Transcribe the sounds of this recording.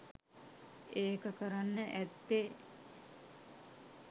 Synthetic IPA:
eːkəkəɾanːəʔæt̪ːe

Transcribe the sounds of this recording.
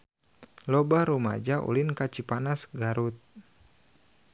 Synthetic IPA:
lɔbaɾuma̰d͡ʒaʔṵlinkat͡ʃipanasɡaɾut̪̚

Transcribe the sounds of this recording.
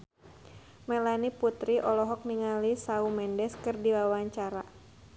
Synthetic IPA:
mɛlaniput̪ɾiʔɔlɔɦɔk̚niŋalisaumɛndɛskɨrdiwawaɲt͡ʃaɾa

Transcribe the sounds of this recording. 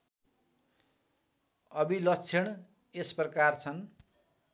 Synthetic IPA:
ʌbilʌt͡sʰeɽ̃ | esprʌkart͡sʰʌn

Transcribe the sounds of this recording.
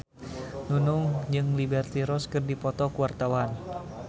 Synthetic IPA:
nunuŋd͡ʒɨŋlibɛrt̪iɾɔskɨrdipɔt̪ɔkuwart̪awan

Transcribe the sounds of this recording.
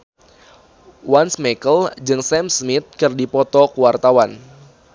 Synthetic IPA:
wansmekəld͡ʒɨŋsɛmsmit̪̚kɨrdipɔt̪ɔkuwart̪awan

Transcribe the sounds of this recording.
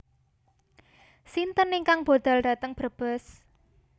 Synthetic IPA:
sint̪əniŋkaŋb̥o̤d̪̥a̤ld̥ä̤t̪əŋb̥ə̤b̥əs

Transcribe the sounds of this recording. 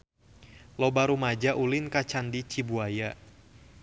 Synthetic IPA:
lɔbaɾumad͡ʒaʔulɪnkat͡ʃandit͡ʃibuaja

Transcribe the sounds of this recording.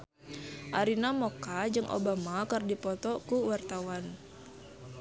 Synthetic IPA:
ʔaɾinamɔkad͡ʒɨŋʔo̰bamakərdipɔt̪ɔkuwart̪awan

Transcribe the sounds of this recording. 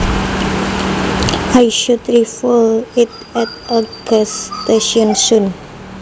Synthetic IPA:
ajʃudɾifəlɪt | ɛtəɡəsteʃɔ̃nsũn

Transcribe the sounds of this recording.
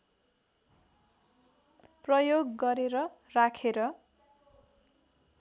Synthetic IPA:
prʌjoɡːʌɾeɾʌ | rakʰeɾʌ

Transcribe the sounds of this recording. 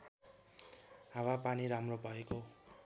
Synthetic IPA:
ɦawapaniɾamrobʱʌeko

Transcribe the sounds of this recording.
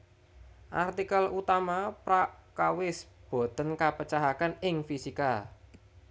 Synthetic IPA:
ʔa̰rt̪ikəlut̪amapɾaʔkawɪsb̥o̤t̪ənkapət͡ʃaɦakanɪŋfisika

